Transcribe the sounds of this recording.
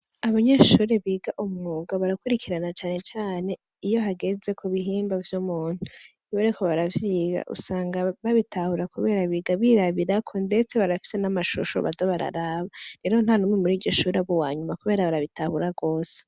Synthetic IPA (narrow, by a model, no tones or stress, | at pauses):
aβaɲeʃuːɾe̞βiːɡaʔumŋoːɡaβaɾakuɾikʰiɾanat͡ʃaːne̞t͡ʃaːne̞ | ijo̞ɦaɡe̞ze̞kʰuβiɦiːmbavjumuːn̥hu | βoɾekʰoβaɾavjiːɡa̰ʔṵsaːŋɡaβaβitʰahuɾakuβe̞ːɾaβiɡaβiɾaβiɾakʰonde̞t͡se̞βaɾafi̥se̞namaʃṵʃo̰βa̰doβaɾa̰ɾaβaɾe̞ːɾon̥anumŋemuɾiːɾɟo̞ʃuːɾeβowaːɲumakuβe̞ːɾaβaɾaβitahuɾaɡo̞ːse̥